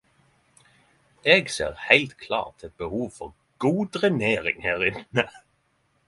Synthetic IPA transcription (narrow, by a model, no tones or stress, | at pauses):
ʔeːɡsḛːʁhæɪlt̪kʰlɑ̰ːʁt̪ʰɛt̪̚bəhuːʋfɔʁ | ɡ̥uːd̪ʁɛneːʁɪ̰ŋhæːʁɪnə